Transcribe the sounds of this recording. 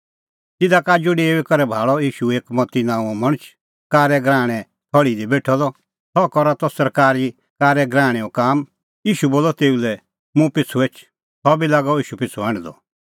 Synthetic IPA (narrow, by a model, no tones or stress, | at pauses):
t̪ɪd̪akaːd͡ʒuɖeːʋɛkɔɾɛbʱaːɭɔiːʃueːkmɔt̪inãːũɔmɐɽ̃ət͡ʃʰ | kaːɾɛɡɾãːɽ̃ɛ | t̪ʰɔɽid̪ibeːʈʰɔd̪ɔ | tɔkɔɾat̪ɔsɐɾkaːɾi | kaːɾɛɡɾaːɽ̃ɛ̃ɔkaːm | iːʃuboːlɔt̪eːulɛ | mũpɪt͡sʰːueːt͡ʃʰ | sɔbilaːɡɔiːʃupɪt͡sʰuãɽ̃ɛd̪ɔ̰